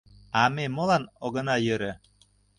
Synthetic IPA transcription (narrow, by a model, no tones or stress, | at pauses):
ɑmemɤ̆lɑnoɣɤ̆nɑjøɾə̆